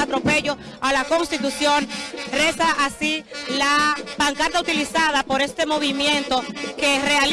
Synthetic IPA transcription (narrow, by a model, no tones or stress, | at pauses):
at̪ɾo̞pe̞ʝo̞ | alako̞ŋst̪it̪usjo̞nre̞saʔasilapaŋkaɾt̪aut̪ilisaðapo̞ɾe̞st̪emo̞β̞imjẽ̞nt̪o̞ke̞re̞al